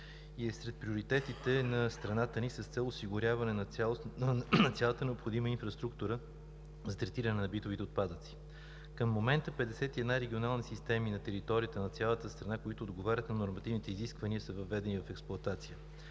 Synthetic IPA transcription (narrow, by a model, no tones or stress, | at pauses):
iɛsɾɛt̪̚pɾioɾit̪ɛt̪it̪ɛnɐst̪ɾɐnat̪ənisəst̪sɛlˠosiɡʊɾʲjavɐnɛn | nɐt̪sʲalˠət̪ənɛopxod̪iməinfɾəst̪ɾukt̪uɾə | zɐt̪ɾɛt̪iɾɐnɛnɐbit̪ovit̪ɛot̪̚pad̪ət̪si̥ | kəmːomɛnt̪əpɛd̪ɛsɛt̪iɛd̪naɾɛɡʲionalˠnisist̪ɛminɐt̪ɛɾit̪ɔɾʲiət̪ənɐt̪sjalˠət̪əst̪ɾɐnakoit̪ʊːd̪ɡovaɾʲət̪nɐnoɾmɐt̪ivnit̪ɛiziskvɐniəsəvɐvːɛd̪ɛnivɐfɛksplˠʊɐt̪at̪sijə